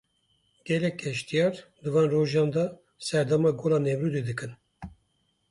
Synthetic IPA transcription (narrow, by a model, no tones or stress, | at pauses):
ɡ̥ɛlɛkʲːɛʃt̪ijɑɾd̪ɨvɑːnroʒɑ̃ːnd̪ɑ | sɛɾd̪ɑmɑːɡoːlɑːnɛvɾuːd̪ed̪ɨkɨn